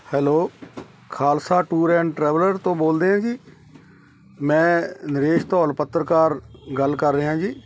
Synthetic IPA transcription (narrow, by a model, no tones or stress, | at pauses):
hɛːloː | kʰaːlsaːʈuːɾɛ̃ːɳɖʈɾɛːʋləɾt̪õːboːld̪eːɦãːd͡ʒiː | mɛ̃ːnɪɾeːʃt̪ɔːlpət̪ːɾəkaːɾɡəlkəɾːeːɦãːd͡ʒiː